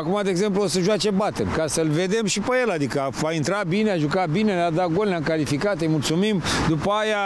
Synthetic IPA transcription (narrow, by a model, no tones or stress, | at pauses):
akumad̪eːɡze̞mpluosəʒuat͡ʃe̞bat̪ḛnʲkasəlve̞d̪e̞mʃipeje̞lad̪ikəaint̪ɾabineaʒukabinelad̪aɡo̞leamkalifikat̪ejmult̪sumimd̪upəaja